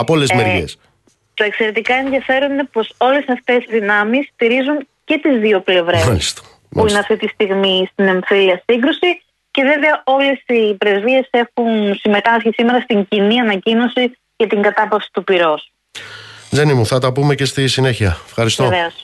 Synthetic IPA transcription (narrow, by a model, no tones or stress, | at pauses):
ɐpoolezmeɾʝḛs | t̪oe̞kse̞ɾe̞t̪ikɐe̞nðijɐfe̞ɾoninepo̞so̞le̞sɐft̪e̞zðinɐmisːt̪iɾizuɲ | ce̞t̪izðio̞ple̞vɾeɐlist̪ɐ̥ | muineɐft̪it̪ist̪iɣmist̪ine̞ɱfiliɐsiŋɡɾusi | ce̞ðe̞veɐo̞le̞sipɾe̞zvie̞se̞xunsime̞t̪ɐsçisime̞ɾɐst̪iɲciniɐnɐcino̞si | cet̪iŋɡɐt̪ɐpɐfsi̥t̪upiɾo̞s | d͡zenimuθɐt̪ɐpumecest̪isine̞çiɐefxɐɾist̪eoveos